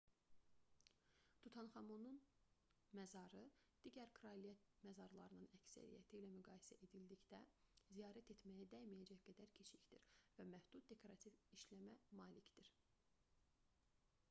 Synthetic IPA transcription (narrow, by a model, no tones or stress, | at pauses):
t̪ʰut̪ʰɑnχɑmunun | mæzɑɾɯ | d̪̥iɟæɾkʰɾɑlijæt̪̚mæzɑɾlˠɑɾɯnɯnæcsæ̰ɾḭjæ̰t̪ʰilæmyɡɑːjsæʔed̪ild̪içd̪æzijɑːɾæt̪ʰe̞t̪mæjæd̪æjmijæd͡ʒæçɡ̥æd̪æɾcʰe̞t͡ʃʰiçd̪iɾvæmæhd̪ut̪̚d̪e̞kʰoɾɑt̪ʰiviʃlæmæmɑːlicd̪̥iɾ